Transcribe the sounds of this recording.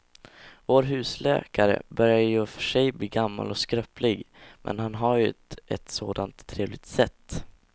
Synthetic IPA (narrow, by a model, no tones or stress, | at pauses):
voːɾɦʉ̟ːslɛ̰ːkaɾə̰bœɾjajɵfœʂɛjbliːɡamːa̰lɔskɾœplɪɡmʔɛ̰nɦanɦaɾjɵɛt̪soːd̪ant̪ʰːɾeːvlɪɡ̚t̪sɛt̪ː